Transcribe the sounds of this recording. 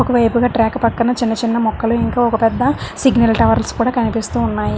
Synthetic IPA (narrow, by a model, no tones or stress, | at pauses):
ɔkɐʋɐjpuɡaːʈɾaːkːpɐkːɐnɐt͡ʃinːɐt͡ʃinːɐmɔkːɐluiŋkaːɔkɐpɛd̪ːɐsiɡnɐlʈɐʋɐɾlskuːɽaːkɐnipist̪uːnːaːji